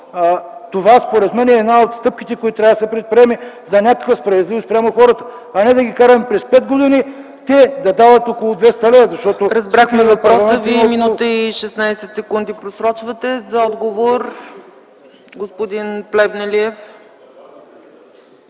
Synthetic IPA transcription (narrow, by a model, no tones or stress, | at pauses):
t̪ovaspoɾɛt̪mɛnɛɛːd̪naot̪st̪ɤp̚k̟it̪ɛkoit̪t̪ɾʲavd̪əsɛpɾɛt̪̚pɾʲiɛmi | zɐnʲakəkvəspɾɐvɛd̪livost̪pɾjamoxɔɾət̪ə̥ | ɐnɛd̪ɐɡʲikaɾɛmpɾɛspɛd̪ɡod̪ini | t̪ɛd̪ɐd̪avɐt̪okolˠʊd̪vɛst̪ɐlɛzɐʃt̪ɔt̪oɾɐzbɾaxmɛvɐpɾɔlˠsmɛ̃nviminut̪əiʃɛsnajsɛt̪sɛkund̪ipɾosɾɔt͡ʃvɐt̪ɛzɐɔd̪ɡovoɾ | ɡospod̪inplɛvnɛliɛf